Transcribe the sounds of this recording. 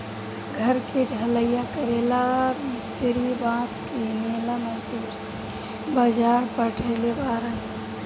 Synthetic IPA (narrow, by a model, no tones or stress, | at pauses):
ɡʱəɾkeɖʱələjakəɾelamɪst̪ɾibãːskinelaməd͡ʒd̪i | bəd͡ʒaɾpəʈʰelebaːɾən